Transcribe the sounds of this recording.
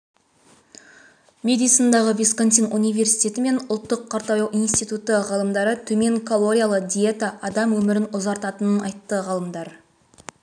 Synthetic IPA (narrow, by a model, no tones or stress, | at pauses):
mʲe̞d̪ijt̪sind̪ɑʁəvʲiskont̪ijnunijve̞ɾsijt̪ʲe̞t̪ɪme̞nʊlˠt̪ːəqʰːɑɾt̪ɑjɑwinst̪it̪ut̪əʁɑlˠəmd̪ɑɾət̪ʰɵme̞ŋkʰolˠo̞ɾʲijalˠəqd̪ʲijet̪aʔɑd̪ɑmwɵmɪɾɪnʊzɑɾt̪ɑt̪ənənɑjt̪ːəʁɑlˠəmd̪ɑɾ